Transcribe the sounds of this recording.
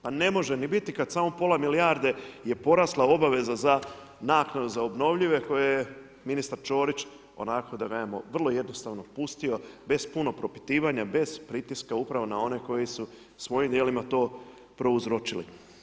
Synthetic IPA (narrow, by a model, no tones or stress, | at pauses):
pane̞mo̞ʒenibit̪ikad̪saːmo̞po̞lˠamiliaɾd̪e̞je̞po̞ɾaslˠao̞baʋe̞zaza | naːknad̪uzaobno̞ʋʎiʋe̞ko̞jeje | minist̪aɾt͡ʃo̞ːɾit͡ʃ | o̞̰nako̞d̪aɡajemoʋr̩lˠo̞je̞d̪no̞st̪aʋno̞pust̪io̞be̞z̥puno̞pɾo̞pi̥t̪iːʋaɲabe̞z̥pɾit̪iskaupɾaʋonao̞ne̞ko̞jisu | sʋo̞jimd̪jelimat̪o̞ː | pɾo̞uzɾo̞t͡ʃilḭ